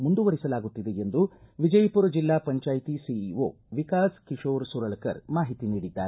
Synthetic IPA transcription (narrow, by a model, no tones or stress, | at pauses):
mund̪uʋɐɾisɐlaːɡut̪ːid̪e̞end̪uʋid͡ʒɐjpuːɾɐd͡ʒilːaːpɐɲt͡ʃaːjt̪isio̰ː | ʋikaːskiʂoːɾsuɾɐɭɐkɐ̰ɾmaːɦit̪iniːɽid̪ːaːɾe